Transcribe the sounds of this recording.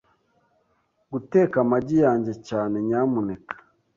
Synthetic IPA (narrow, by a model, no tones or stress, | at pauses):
ɡuteːkamaɟijaːɲɟe̞caːne̞ɲaːmunekḁ